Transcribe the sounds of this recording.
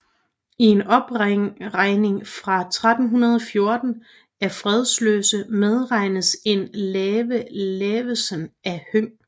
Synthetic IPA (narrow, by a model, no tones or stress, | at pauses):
ie̝nɒ̽b̥ʁʁɑ̈ɪne̝ŋfʁɑ̈t͡sʰʁad̥n̩ɦunɐð̞ˠɒ̽fjo̝ɐd̥n̩ | æɐfʁɛð̞ˠslø̰ːsəmeð̞ˠʁɑ̈ɪ̰nəðse̝nlɛːʋəleːʋəsənæhøŋ̰